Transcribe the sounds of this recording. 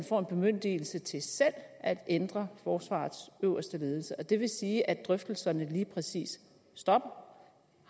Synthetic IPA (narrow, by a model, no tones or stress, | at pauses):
nfɒ̰ːe̝nb̥e̝møn̰d̥iːl̩sət͡sʰe̝sel̰æd̥end̥ʁɐfɒːsʋɑ̰̈ːð̩ˠsøʊɐsd̥əle̝ːð̞ˠl̩səʔɒ̽d̥e̝ʋe̝siːʔæd̥ʁœfd̥l̩sɐnəliːpʰʁɛsḭːsː | d̥ɒ̽b̥ɐ